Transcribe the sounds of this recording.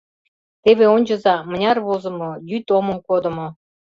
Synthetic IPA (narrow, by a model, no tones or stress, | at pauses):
t̪eβeonʲd͡ʑə̆zɑmə̆nʲɑrβozə̆mojyt̪omə̆mkod̪ə̆mŏ